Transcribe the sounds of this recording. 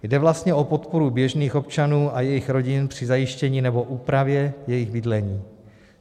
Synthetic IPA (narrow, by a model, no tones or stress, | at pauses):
jdɛvlast̪ɲɛʔo̞po̞t̪poɾubjɛʒniːxo̞pt͡ʃanuːʔajɛjɪxɾo̞ɟɪnpr̝̥ɪzajɪʃcɛɲiːnɛbo̞ʔuːpɾavjɛjɛjɪɣbɪdlɛɲiː